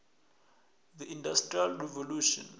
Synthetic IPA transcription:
ðiʔĩndastrialrɛvoluʃɔ̰̃n

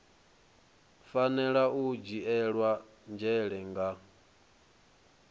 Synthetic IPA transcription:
fanɛɺaud͡ʒiɛɺwa | nd͡ʒɛɺɛŋɡa

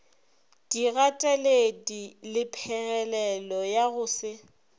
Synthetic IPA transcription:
d̥iɣatʼɛledilɪpʰɛɣɛlɛlɔjaɣʊːsɪ

